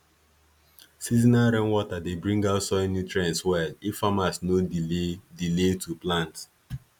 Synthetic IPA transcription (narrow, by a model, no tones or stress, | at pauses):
sizinaɾɛ̃nwɔtadebɹĩŋɡaʊtsɔnjutɹɛ̃nswɛlifamasno | diletʰuplãnt